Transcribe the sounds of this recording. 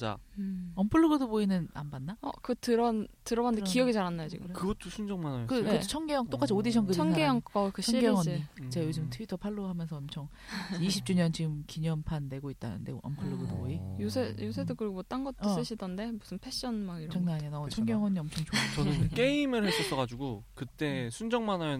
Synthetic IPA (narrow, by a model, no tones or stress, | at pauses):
t͡ɕa̰ʌmpʰɯɭːɯɡɯdoboinɯna̰mbanːaʌ̰kɯtɯɾʌntɯɾʌbandeijʌɡit͡ɕaɾanːajot͡ɕḭɡɯmkɯɡʌt̚t͈oɕʰund͡ʑʌŋmanajokɯkɯet͡ɕʰʌŋɡejʌŋt͈ok͈ad͡ʑʰiodiɕʰʌnkɯʌŋɡejʌŋk͈ʌkɯʌiŋɡejŋʌɲit͡ɕ͈ajod͡ʑɯmtʰɯitʰʌpʰaɭːoɦamjʌnsʰʌʌmt͡ɕʰʌŋ | iɕʰip̚t͡ɕ͈uɲʌnt͡ɕiɡɯmkiɲʌmpʰanːe̞ɡoit̚t͈a̰nɯ̰nde̞ʌ̰mpʰaɭːoɡɯdoijusʰejus̬ʰedokɯɾiɡobot͈anɡʌts͈ɯɕʰidʌnde̞musʰɯnpʰe̞ɕ͈ʌnmaɡiɾʌt͡ɕʰʌŋnaɲinat͡ɕʰʌŋɡejʌŋwʌɲiʌmt͡ɕʰʌŋt͡ɕot͡ɕʌnɯnk͈e̞imɯɭhes͈ʌs͈ʌɡad͡ʑuɡokɯt͈e̞sʰund͡ʑʌŋmanajo